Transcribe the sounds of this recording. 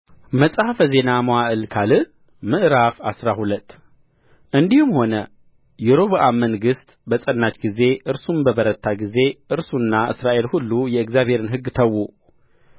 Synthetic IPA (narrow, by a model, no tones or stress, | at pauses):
məsʼhafəze̞namowaʔɨlkʰalɨ | mɨʔɨɾafasɾahulət̪ː | ʔɨnd̪ihumho̞nə | jɛɾoβʔamənɡɨst̪bəsʼənːat͡ʃɡize̞ʔɨɾsunbəβəɾət̪ʰːaɡize̞ʔɨɾsunːaʔɨ̰sɾaʔe̞lhulːujɛɨɡzjaβhe̞ɾɨnɦɨɡːt̪ʰəwu